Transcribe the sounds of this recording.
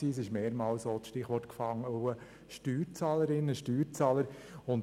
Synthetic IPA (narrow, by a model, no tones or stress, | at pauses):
iːs̬ɪʃmeːɾmɑːlsoːt͡sʃtɪχʋɔɾtkfɑŋːəoə | ʃtyːɾt͡sɑːləɾɪnːəʃtyːɾt͡sɑːləɾ | ʊn